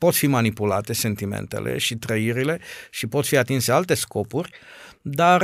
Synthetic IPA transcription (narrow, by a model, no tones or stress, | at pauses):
po̞t̪fimanipulat̪e̞se̞nt̪imḛnt̪e̞̰lʔe̞̰ʃit̪ɾəiɾile̞ʃipo̞t̪fiat̪insealt̪e̞sko̞purʲd̪ar